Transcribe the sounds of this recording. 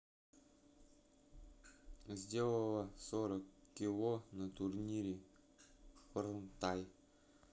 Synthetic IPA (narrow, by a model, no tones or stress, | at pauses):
zʲdʲelˠəlˠəsoɾəkkʲːɪlˠonət̪ʊrnʲiɾʲɪ | pərnt̪aj